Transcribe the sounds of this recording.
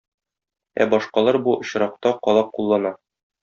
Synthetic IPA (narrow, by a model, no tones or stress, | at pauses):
æ̰bɒʃqɑlˠɑɾbuŏɕɾɑq̚t̪ɑqɒlˠɑqulˠːɑnɑ